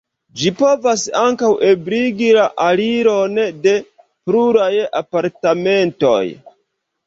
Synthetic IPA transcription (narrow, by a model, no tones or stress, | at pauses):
d͡ʒipo̞vasaŋkawʔe̞bɾiɡilaʔaliɾo̞nde̞ | pɾuɾaja̰paɾtame̞nto̞̰j